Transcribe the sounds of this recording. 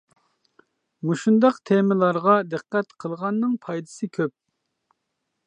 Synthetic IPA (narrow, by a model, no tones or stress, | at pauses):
muʃund̪ɑqt̪ʰemɪlˠɑɾʁɑd̪ɨqːɛt̪qʰəlˠʁɑnːɨŋpʰɑjd̪ɨ̥sɨkʲʰøp̚